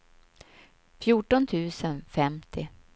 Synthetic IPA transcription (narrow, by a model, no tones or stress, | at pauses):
fjuːʈɔnt̪ʰʉ̟ːsənfɛmt̪ʰɪ